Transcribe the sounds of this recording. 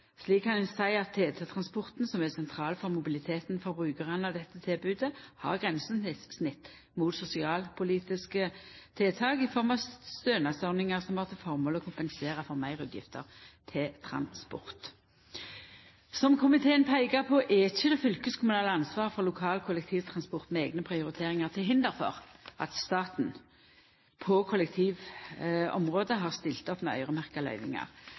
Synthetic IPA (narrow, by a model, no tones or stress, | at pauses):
sliːkkːɑnʉnsæɪɑt̪ʰːeːt̪ʰɑt̪ʰʁɑnspɔʁt̪n̩sɔmɛsɛnt̪ʰʁɑːlfɔʁmʊbɪlɪt̪ʰeːt̪nfɔɾbʁʉːkɑʁənəɑʋd̪ɛt̪ːət̪ʰɪlbʉːd̪əhɑ̰ʁɡʁɛnsənɪsnɪt̪ː | muːt̪sʊsɪɑːlpʰʊliːt̪ɪskət̪ʰɪt̪ʰɑːɡɪfɔʁmɑʋsst̪øːnɑsœʁnɪŋəʁsɔmhɑːʁt̪ʰɪlfɔʁmoːlɔkʰʊmpɛnseːʁɑfɔʁmæɪʁʉ̰ːd̪jɪ̰ft̪ə̰ʁt̪ʰɪt̪ʰɾɑ̰nspɔ̰ʁt̪ | sɔmkʰʊmɪt̪ʰeːənpʰæɪɡɑʁpʰɔʔɛɪçːəd̪ɛfʏlkəskʰʊmʉnɑːləɑnsʋɑːʁfɔʁlʊkʰɑːlkʰʊlɛkt̪ʰiːʋt̪ʰʁɑnspɔʁt̪mɛeːɡnəpʰʁɪʊɾɪt̪ʰeːʁɪŋɑʁt̪ʰɪlɦɪnd̪əɾfɔ̰ʁʔɑ̰t̪st̪ɑːt̪n̩ | pʰɔkʰʊlɛk̚t̪ʰiːʋ | ɔ̰mʁoːd̪əɦɑːʁst̪ɪlt̪ɔpmɛœ̰ʏʁəmæʁkɑlœ̰ʏnɪ̰ŋɑ̰ʁ